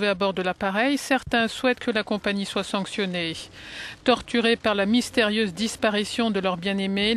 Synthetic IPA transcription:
veabɔʁd̪əlapaʁɛjsɛʁt̪ɛ̃swɛt̪kʰəlakɔ̃paɲiswasɑ̃ksjɔne | t̪ɔʁt̪yʁepaʁlamist̪eʁjøzd̪ispaʁisjɔ̃d̪əlœʁbjɛ̃neme

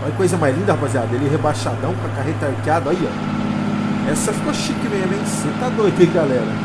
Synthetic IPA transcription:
ɐkojzɐmajzlĩnd̪ɐhapaziad̪ɐelɛɦebaʃad̪ɐ̃w̃kɐkaɦet̪ɐaɾkiad̪ɐaiɔ̰ | ɛsɐfi̥koʃikimẽj̃ɐmẽj̃sẽt̪ad̪ojt̪ikɪɡalɛɾɐ

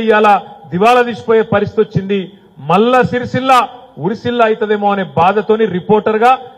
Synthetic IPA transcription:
jaːlɐd̪iʋaːlɐd̪iːsu̥poːje̞ːpɐɾist̪i̥t̪iot͡ʃːind̪i | mɐlːɐsiɾisilːɐ | uɾisilːɐːjt̪ɐd̪eːmoːɐneːbaːd̪ɐt̪o̞ːniɾipoːɾʈɐɾɡaː

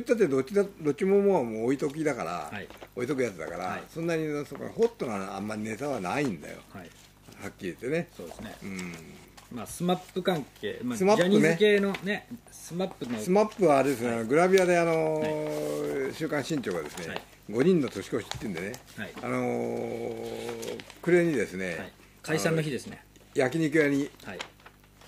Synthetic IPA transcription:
it̪ːat̪ːed̪oad̪o̞t͡ɕːimomoːmoːit̪o̞k̬ʲid̪akaɾa̰oit̪o̞k̬ɯjat͡sɨd̪a̰kaɾa̰sõ̞nːaɲʲisoːka̰n̰ho̞t̪ːonoã̰mːaɾʲine̞t̪aβanaĩnd̪a̰jo̞̰ai | hakʲːiɾʲit̪ːe̞ne̞soːd̪esneɯ̃ | masɨmapːɯkãŋkʰḛːmasɨmaɲːɯnekeːnonesɨmapːɯsɨmapːɯ̟βaɾed̪es̬ɨneano̞ɡɯ̟ɾabʲiad̪e̞ano̞ | ɕɨːkãɰ̃ɕĩɲt͡ɕo̞ːɡad̪e̞̰sɨne | ɡo̞ɲ̟ĩnːo̞t̪o̞ɕi̥ko̞ɕi̥t̪ːeiɯ̟nd̪e̞ne̞haia̰no̞ | kɯ̟ɾe̞ɲ̟id̪e̞sɨne̞ai | kaisãnːoçid̪e̞sɨnejak̬ʲiɲ̟ikɯ̟ɾaɲ̟iai

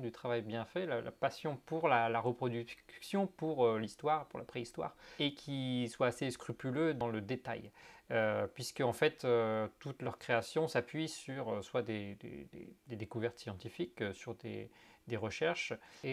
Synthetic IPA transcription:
d̪yt̪χavajbjɛ̃fɛlala̰pasjɔ̃puʁlalaʁəpχɔd̪yksjɔ̃puʁølist̪waʁpuʁlapχeist̪wa̰ːʁekʲʰiswaːseskχypylød̪ɑ̃ləd̪et̪a̰jøpɥiskəɑ̃fɛt̪øt̪ut̪lœʁkχeasjɔ̃sapɥisyʁøswad̪ed̪ḛd̪ḛd̪ed̪ekuvɛʁt̪sjɑ̃t̪ifikøsyʁd̪ḛd̪eʁəʃɛʁʃe

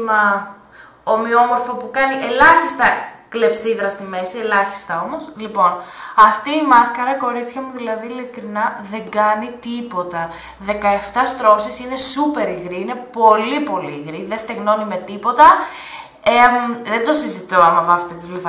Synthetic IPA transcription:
ɐ | omiomo̞ɾfopukɐniʔe̞lɐçist̪ɐkle̞psiðɾɐst̪ime̞sie̞lɐçi̥st̪ɐo̞mo̞slipo̞nɐft̪iːmɐskɐɾɐko̞ɾit͡sçɐmuðilɐðiːlikɾinɐðe̞ŋɡɐnit̪ipo̞t̪ɐ | ðe̞kɐeft̪ɐst̪ɾo̞sisine̞supe̞ɾiɣɾiine̞po̞lipo̞liːɣɾiðest̪eɣno̞nime̞t̪ipo̞t̪ɐ | eðend̪o̞sizit̪oɐmɐvɐft̪et̪izlifɐ

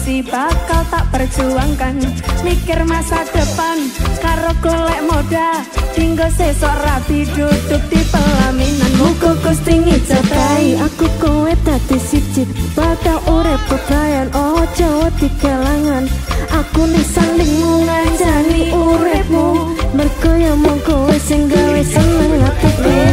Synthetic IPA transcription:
sib̥akalt̪aʔpər̥d͡ʒ̥uaŋkanmikɪrmasad̪̥əpankaɾoɡ̥olɛʔmoɖ̥a | iŋɡosesɔʔrabiɖ̥ud̪ʊk̚d̪̥ipəlaminanmuɡoɡust̪iŋit͡ʃət̪aiakukowed̪̥a̤d̪̥isi̥d͡ʒɪt̪̚b̥atalʔuɾɪp̚pəɡ̥ajanɔd̥d͡ʒ̥ɔwɔd̪̥i̤ɡ̥alaŋanʔakunisaŋlɪŋmuŋat͡ʃaniʔuɾɪp̚mu | mərɡ̥ɔjamɔŋkowesɪŋɡawesənəŋat̪ik̚u

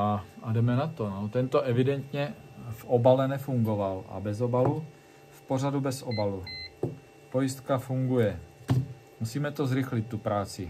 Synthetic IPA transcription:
aadɛmɛnat̪onot̪ɛnt̪o̞ʔɛvɪdɛnt̪ɲɛfʔobalɛnɛfuŋɡo̞valʔa̰bɛzo̞balu | fpo̞r̝adubɛsʔobalu | po̞jɪst̪kafuŋɡujɛ | musiːmɛt̪o̞zɾɪxlɪt̪̚ːupɾaːt͡sɪ

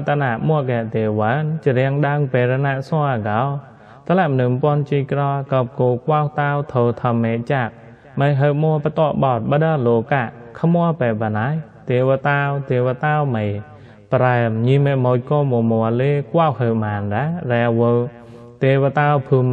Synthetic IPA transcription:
t̪anaʔmʊəkɛəʔt̪eəʋant͡ɕəɾɛəŋɗaŋpeːɾənaʔsɔəakaw | t̪ʰəlɛʔmənɨmpoənt͡ɕiːkrɑːkəp̚koːkwawt̪awt̪ʰoːt̪ʰəmːeːʔt͡ɕaʔ̚ | məjɦəwmɔəpət̪oəɓɑt̪̚ɓaɗəlokaʔ | kʰmoəpɛːpanaj | t̪iəʋət̪awt̪iəwət̪awməj | pɾaəmɲimːeʔmoːc̚koːmomɔəleːkwawɦəwmaːnɗarɛwəw | t̪ewət̪awpʰum

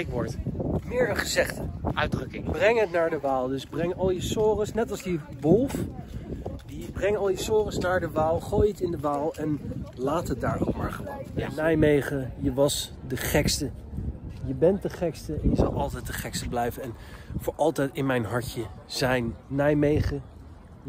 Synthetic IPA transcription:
ɪkʋɔɹtmɪːɹχəzɛχtəœɥdrɵkɪŋb̥rɛŋɦətnaːɹdəʋaːlˠdɵzbrɛŋɑlˠjəsoːrəsnɛtɑlˠzdi | ʋolˠf | dibrɛŋɑlˠjəsoːrəsnaːɹdəʋaːlˠχoːjətsɪndəʋaːlˠɛnlaːtɦət̚daːɹo̰kmaːɹχəʋonnɛjmejχəjəʋɑsdəχɛkstə | jəbɛnt̚dəχɛkstəɛnjəzɑ̰lˠɑlˠtɛjt̚dəχɛkstəblɛjvənɛnvʊːɹʔɑlˠtɛjtɪnmɛjnɦɑɹtəz̥ɛjnːɛjmejχə

